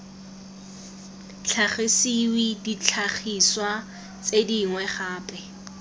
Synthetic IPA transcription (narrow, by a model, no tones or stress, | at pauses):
t͡ɬʰaχɪsiwidit͡ɬʰaχiswa | t͡sediŋwɛχaːpʼɛ